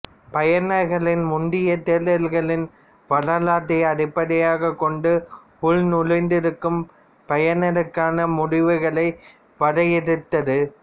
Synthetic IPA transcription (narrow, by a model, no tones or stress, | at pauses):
pɐjɐnɐɾɣɐɭɪnmʊnd̪ɪjɐt̪eːlɐlɣɐɭɪn | ʋɐlɐlaːʈːɐɪɐɽɪpːɐɽɐjaːɣɐkːɔɳɖɯ | ʊɻnʊɻɐɪnd̪ɪɾɯkːɯm | pɐjɐnɐɾɯkːaːnɐmʊɽɪʋɯɣɐɭɐɪ | ʋɐɽɐjɛɾɯt̪ːɐðɯ